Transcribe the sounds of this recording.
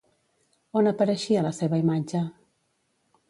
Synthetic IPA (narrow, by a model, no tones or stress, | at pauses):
onəpəɾəʃiələseβəimad͡ʒə